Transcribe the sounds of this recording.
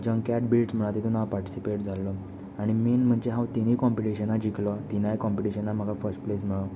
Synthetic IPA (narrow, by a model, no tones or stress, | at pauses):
d͡ʑəŋɡkæʈbilʈsm̤əɭat̪et̪unapaɾʈi̥sipeʈd͡zalɔ | aɽ̃iminm̤əɳd͡ʑeɦãwt̪iñikɔmpiʈiɕənːad͡ʑikʰlɔt̪inajkɔmpiʈiɕənːam̤əɡʱafəɾsʈ̚plesm̤əɭɔ